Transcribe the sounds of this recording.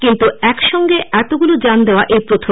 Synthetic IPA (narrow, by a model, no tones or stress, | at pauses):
kint̪uɛkʃɔŋɡeɛt̪oɡulod͡ʑand̪eoaʔejpɾot̪ʰo